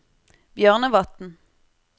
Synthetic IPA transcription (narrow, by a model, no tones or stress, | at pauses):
bjœːʁnəʋɑt̪n̩